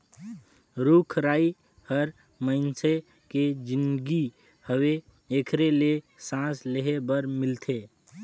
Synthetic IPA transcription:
ɾukʰɾaːi | həɾ | məɪnse | ked͡ʒind̪ɡi | həwe | ekʰɾele | sãsleɦebəɾmɪlt̪ʰe

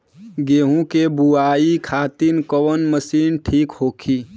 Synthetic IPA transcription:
ɡeːɦũkebuaːikʰaːt̪inkəwənməsiːnʈʰiːkhoːkʰiː

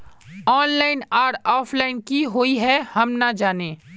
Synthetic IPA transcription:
ɔːnlaːɪnaːɾɔːpʰlaːɪnkiɦoːiɦɛhɐmnad͡ʒaːneː

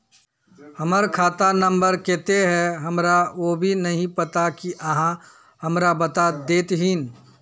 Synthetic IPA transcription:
hɐməɾkʰaːt̪anɐ̃mbəɾkeːt̪eɦɛ̃ɦɐmɾaʋobʱinɐɦĩpɐt̪akiʔɐɦã | hɐmɾabɐt̪ad̪eːt̪ɦɪn

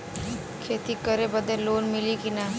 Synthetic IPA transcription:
kʰeːt̪ikəɾebɐd̪eloːnmɪlikina

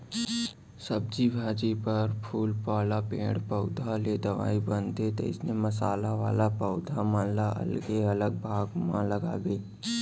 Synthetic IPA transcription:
sɐb̚d͡ʒibʱaːd͡ʒipɐɾpʰuːlpaːlapḛ̃ːɽpəʊd̪ʱaled̪ɐʋa̰ːibənt̪et̪ḛɪsnemɐsaːlaʋaːlapəʊd̪ʱamãːnlaʔɐ̰lɡeɐləɡ̚bʱaːɡmã̰lɐɡa̰ɡəiː

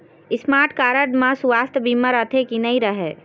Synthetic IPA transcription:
ɪsmaːɾʈkaːɾəɖmãsʋaːst̪ʰbʱiməɾət̪ʰekinəĩɾəɦe

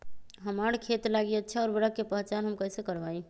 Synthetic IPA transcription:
ɦəmaɽkʰet̪laɡiətːʃʰaɔːɾbəɾəkːepəɦt͡ʃanɦəmkəɦsekəɾbaĩ

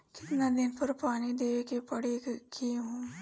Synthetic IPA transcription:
kɪ̥t̪nad̪ɪnpɐɾpaːnid̪eːekepɐɽekiɦõː

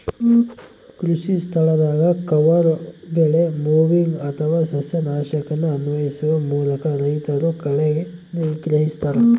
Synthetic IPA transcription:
kɾuʃist̪ʰɐɭɐd̪aːɡɐkɐʋɐɾbeːɭemuːʋiŋɡɐt̪ʰɐʋaːsɐsjɐnaːʃɐkɐnːuɐnʋɐjisuʋɐmuːlɐkɐɾɐɦjit̪ɐɾukɐɭeɡe | niʋɡɾɐɦist̪ʰɐɾɐ

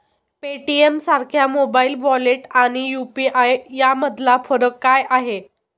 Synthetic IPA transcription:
peʈiemsaɾkʰjamobailʋɔleʈaɽ̃ijupiʔajjaməd̪ʱlafɔɾəkːajʔaɦe

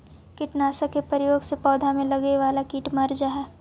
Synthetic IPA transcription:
kɪʈnaːsəkepɐɾɪjoːɡsepɔːd̪ʱamẽlɐɡeʋaːlakiːʈmɐɾd͡ʒaɦɛː

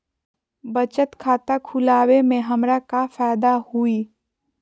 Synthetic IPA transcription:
bɐt͡ʃət̪kʰaːt̪akʰulaːwemẽɦɐmɾakafɛːd̪ahuiː

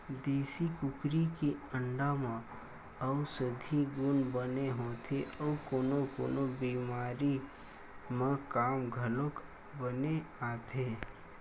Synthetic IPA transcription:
d̪eːsikʊkɾikeə̃ɳɖamã | əsəd̪ʱiɡʊnbəneɦoːt̪ʰeʔɔːkoːnokoːnobiːmaːɾi | mãkaːmɡʱəlok | bəneaːt̪ʰeː

